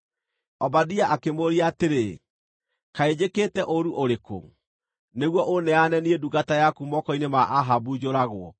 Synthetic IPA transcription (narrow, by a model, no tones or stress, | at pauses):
ɔbadiaʔakemoɾiaːteɾe | kaed͡ʑeketɛʔoɾuʔoɾeko̰ŋ | neɣwɔʔonɛanɛnieduɡatajakumɔkɔinemaʔaɦabud͡ʑoɾaɣwɔ